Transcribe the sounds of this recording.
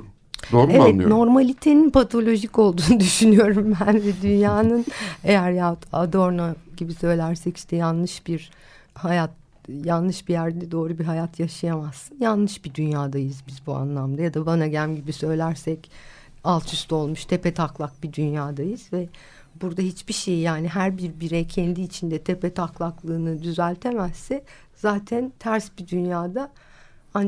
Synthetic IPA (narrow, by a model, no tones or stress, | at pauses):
d̪oːɾɛvɛt̪ːno̞ɾmalʲit̪ʰe̞ninpʰat̪ʰo̞lʲo̞ʒico̞lˠd̪uːnud̪yʃynyjo̞ɾumbænvɛd̪ynjaːnɯne̞jæɾjaad̪o̞ɾnaɟibisø̞jlʲæɾsɛci̥ʃt̪ʰɛjanlˠɯʃb̥iɾ | hajat̪ | janlˠɯʃbijæɾɛd̪o̞ːɾubiɦajat̪ʰjaʃɯjamasːɯnjanlˠɯʃbid̪ynjaːd̪ajɯzbizbua̰nlˠamd̪ajad̪abanaɟæmɟibisø̞jlʲæɾsɛc | alˠt̪ʰyst̪ʰo̞lˠmuʃt̪ʰe̞pɛt̪ʰaklˠak̚bid̪ynjaːd̪ajɯz̥vɛ | buɾd̪aɦit͡ʃbiʃejjaːniɦæɾbiɾbiɾɛcʰɛnd̪iːt͡ʃʰind̪ɛt̪ʰe̞pɛt̪ʰaklˠaklˠɯːnɯd̪yzælʲt̪ʰe̞mɛsːɛ | zaːt̪ʰænt̪ʰæɾsbid̪ynjaːd̪a | an